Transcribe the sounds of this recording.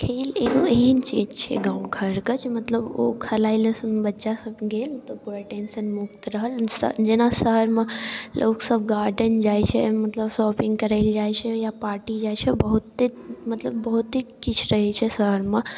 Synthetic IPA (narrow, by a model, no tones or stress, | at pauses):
kʰeːleːkoeɦint͡ʃeːd͡ʒt͡ʃʰḛɡãːũɡʱɐɾkət͡ʃʰmɐt̪ləbokʰɐlaːiləsnbɐtːʃasɐbɡeːlt̪ɔpuɾaʈeːnsənmʊkt̪ɾəɦəlsə̰d͡ʒenasəɦəɾmãlʔoːksəbɡaːɾɖənd͡ʒaːjt͡ʃʰɛmɐt̪ləbsɔːpɪ̃ŋɡkɐɾaɪld͡ʒaːjt͡ʃʰejapaːɾʈid͡ʒaːjt͡ʃʰebɐɦut̪ːemɐt̪ləbːɐɦut̪ikɪt͡ʃʰɾɐɦet͡ʃʰɛsəɦəɾmã